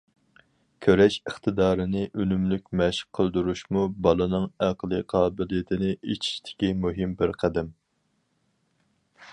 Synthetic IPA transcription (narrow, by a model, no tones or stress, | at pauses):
kʲʰøɾɛʃəχt̪ʰɨd̪ɑːɾɨnɪʔynymlykʲmɛʃə̥qqʰːəlˠd̪uɾuʃmubɑlˠɨnɨŋæqəlˠɨqʰɑːbɪlijet̪ʰɪnɪʔet͡ʃʰi̥ʃt̪ʰɪ̥kʲimuɦɪmbɪɾqʰæd̪ɛm